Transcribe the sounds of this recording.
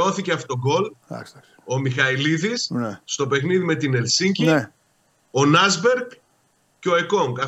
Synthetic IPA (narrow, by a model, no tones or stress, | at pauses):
o̞θiceɐfot̪o̞ɡo̞l̰ | o̞mixɐiliðisnːt̪o̞pe̞xniðime̞t̪inelsiɲɟi | o̞nɐzbe̞ɾɡ | ceo̞eko̞ŋɡɐ